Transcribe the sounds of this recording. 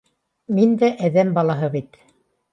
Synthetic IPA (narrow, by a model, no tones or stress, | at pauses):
mind̪æʔæðæmbɑlˠɑɦɤβit̪